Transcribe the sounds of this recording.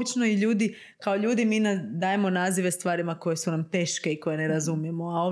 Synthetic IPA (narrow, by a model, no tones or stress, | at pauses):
bit͡ʃno̞iʎuːd̪i | kao̞ʎuːd̪imiːnad̪aːje̞mo̞naːziʋe̞st̪ʋaːɾimako̞je̞sunamt̪e̞ːʃke̞iko̞je̞ne̞ɾazumije̞moao